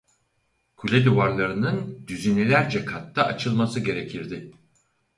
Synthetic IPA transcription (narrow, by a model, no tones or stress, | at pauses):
kʰulʲɛd̪uvaɾlˠaɾɯnɯnd̪yzinilʲæɾd͡ʒɛkʰat̪ːaʔat͡ʃʰɯlˠmasɯɟe̞ɾecʰiɾd̪ɪ